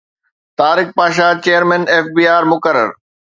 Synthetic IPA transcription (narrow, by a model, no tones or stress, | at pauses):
t̪aːɾɪk̚paːʃ̬at͡ɕeːjəɾmɛ̃ːneːfbiːaːɾmʊkəɾə̰ɾ